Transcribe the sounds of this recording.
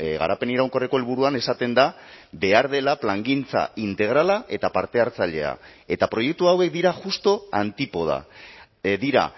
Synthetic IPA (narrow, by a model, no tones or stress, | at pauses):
ɣa̰ɾape̞niɾawŋko̞reko̞e̞lβ̞uɾuane̞sat̪e̞nd̪a | be̞aɾð̞e̞laplaŋɡint͡sa̰int̪e̞ɣ̞ɾalaʔe̞t̪apaɾt̪e̞aɾt͡saʎe̞a̰e̞t̪apɾo̞je̞k̚t̪uawe̞k̚d̪iɾaʝust̪o̞ant̪ipo̞ð̞a̰ | d̪iɾa̰